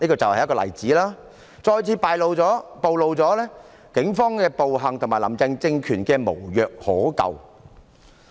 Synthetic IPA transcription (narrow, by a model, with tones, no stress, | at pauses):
niː˥kɔː˧t͡sɐ˨whɐ˨jkɔː˧lɐ̰˨˩jt͡siː˨˥laː˥ | t͡sɔː˧jt͡sʰiː˨˧paː˨˧jlo˨˧wt͡sɔː˨˥po˨wlo˨˧wt͡sɔː˨˥lɛː˥ | kɪ˨˥ŋfɔː˥ŋkɛː˧po˨wɦɐ˨ŋt̪ʰŋmaː˨˩lɐ̰˨˩mt͡sɪ˧ŋt͡sɪ˧ŋkʰyː˨˩nkɛː˧mo̰˨˩wjœː˨k̚hɔː˨˥kɐ̰˨w